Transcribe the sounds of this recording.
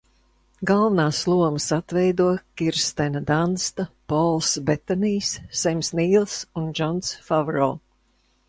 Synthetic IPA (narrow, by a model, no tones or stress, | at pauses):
ɡalˠvanaːslˠuɔmsat̪vɛjd̪uɔkʲiɾst̪ɛnad̪anst̪apɔlˠsbɛt̪ɔniːsːɛmʲsniːlˠsund͡ʒɔnsfavɾɔl